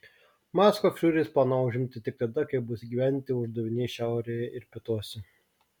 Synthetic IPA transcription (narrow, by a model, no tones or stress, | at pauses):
mɑːskofʲʃʲuːɾʲɪsplˠɑːnɐʊʒʲɪmʲt̪ʲɪt̪ʲɪk̚t̪ɐd̪ɐkɐɪp̚bʊsʲɡʲiːʋʲæːnʲnʲt̪ʲɪʊʒd̪ɐʋʲɪnʲeɛʃʲæˑʊɾʲeːjɛɪɾpʲɪt̪uɔsʲɛ